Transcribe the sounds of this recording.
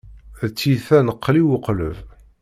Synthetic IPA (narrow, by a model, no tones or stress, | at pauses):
ðt͡sːiθænəqːliwəqləv